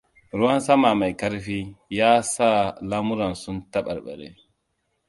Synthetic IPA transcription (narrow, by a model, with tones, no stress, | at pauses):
ɾu˦wa˦nsa˦ma˨ma˨jka˦ɾfi˦jaː˦saː˦laː˦mu˦ɾa˨nsu˦nta˦ɓa̰˨ɾɓa̰˨ɾɛ̰˦